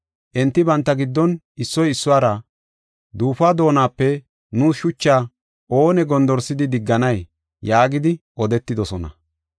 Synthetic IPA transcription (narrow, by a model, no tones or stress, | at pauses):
ʔɛnt̪ːɪbɐnt̪ːɐɡɪd̪ːɔn | ɪsːɔjɪsːʊwaːɾɐ | d̪uːfaːd̪o̞ːnaːpːɛ | nuːsʃʊt͡ʃːaː | ʔo̞ːnɛɡɔnd̪ɔɾsɪd̪ɪd̪ɪɡːɐnɐj | jaːɡɪd̪ɪʔɔd̪ɛt̪ːɪd̪ɔsɔnɐ̰